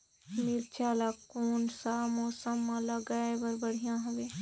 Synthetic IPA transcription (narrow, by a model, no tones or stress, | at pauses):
miɾt͡ʃaːlaːkoːnsamoːsəmːãlaɡaeʋəɾbəɽ̤ijãːɦɐʋeː